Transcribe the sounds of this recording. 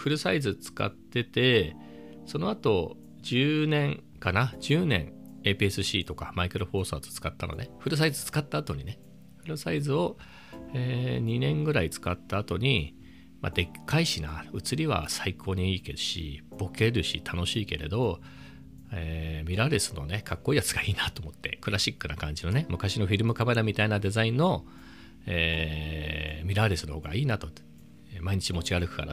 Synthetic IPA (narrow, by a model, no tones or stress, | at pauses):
ɸɯ̟ɾɯ̟saizɨt͡sɨ̥ka̰t̪ːe̞t̪e̞ | so̞no̞at̪o̞ | d͡ʑɨːnẽ̞ŋ | kanad͡ʑɨːnẽ̞̰ɴ | e̞ːpiesɨɕiːt̪o̞kamaikɯ̟ɾo̞ɸo̞ːsa̰ːz̥t͡sɨ̥kat̪ːano̰neɸɯ̟ɾɯ̟s̬aizɨt͡sɨ̥kat̪ːaːt̪o̞ɲ̟ine | ɸɯ̟ɾɯ̟saizɨo̞ | eːɲ̟inẽ̞ŋɡɯ̟ɾait͡sɨ̥kat̪ːaːt̪o̞ɲ̟i | ma̰d̪e̞kʰːaiɕinaɯ̟t͡sɨɾʲiβa̰saikʰo̞ːɲ̟iiːkeɯ̟ɕḭb̥o̞ke̞ɾɯ̟ɕḭt̪ʰano̞ɕiːke̞̰ɾe̞d̪o̞ | eːmʲiɾaɾesɨ̥no̞̰ne̞kʰakːo̞iːjat͡sɨɡaiːnat̪o̞ːmo̞t̪ːe̞̰kɯ̟ɾaɕikːɯ̟nakãɲ̟d͡ʑino̞nemɯ̟kaɕino̞ɸʲiɾɯ̟mɯ̟kame̞ɾamʲit̪ainad̪e̞zaĩnːo̞ | eː | mʲiɾaɾesɨnohoːɡaiːnat̪o̞ | maiɲ̟it͡ɕimo̞t͡ɕiɡaɾɯ̟kɯ̟̥ka̰ɾa